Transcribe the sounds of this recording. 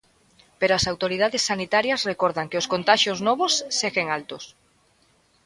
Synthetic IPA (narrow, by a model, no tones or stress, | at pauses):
peɾoasawt̪oɾið̞aðesːanit̪aɾjɐsrekoɾðaŋkeʊskont̪aʃjoznɔβosːeɣeŋalt̪ʊs